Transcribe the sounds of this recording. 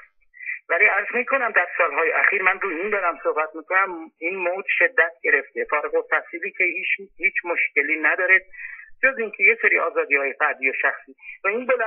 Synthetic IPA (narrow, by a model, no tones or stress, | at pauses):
væliæɾzmiːkʰo̞næmd̪æɾsɒːlɦɒːjeʔæxiːɾmænɾuːjeind̪ɒːɾæmso̞hbæt̪ʰmiːkʰonæminmoːd͡ʒ̪ʃe̞d̪ːæt̪̚ʰɟe̞ɾe̞ft̪ʰe̞fɒːɾeɣot̪ʰæsiːliːcʰeihiːt͡ʃʰmoʃce̞liːnæd̪ɒːɾed̪̥̚d͡ʒoziŋcʰe̞je̞seɾiːʔɒːzɒːd̪iːhɒːjefæɾd̪iːjoʃæxsiːvæinbolæ